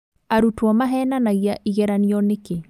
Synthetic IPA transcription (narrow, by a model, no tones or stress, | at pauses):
aɾutwɔmaɦɛnanaɣjaʔiɣɛɾaniɔnɪke